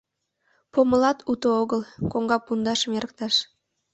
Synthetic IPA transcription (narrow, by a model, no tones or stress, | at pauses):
poməlɑt̪ut̪ooɣəlkoŋɡɑpund̪ɑʃəmeɾək̚t̪ɑʃ